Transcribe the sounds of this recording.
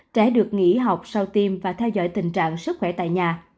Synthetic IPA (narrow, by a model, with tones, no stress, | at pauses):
t͡ɕɛ̰˧˥ɗɨ˨˩ək̚ŋḭ˧˥ɦa˨˩wk͡p̚sa˧wt̪i˧mvaː˨˩t̪ʰɛ˧wzɔ̰˧˥jt̪ï˨˩ŋ̟t͡ɕa̰ː˧˨ŋsɨ˦˥k̚xwɛ˧˩t̪a̰ː˧˨jɲaː˨˩